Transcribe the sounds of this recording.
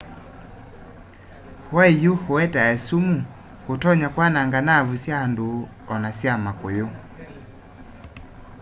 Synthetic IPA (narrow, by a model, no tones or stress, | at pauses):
hwaijuhoɛtaɛsumu | hotɔɲakwanaŋɡanavusjandu | ɔnasjamakejo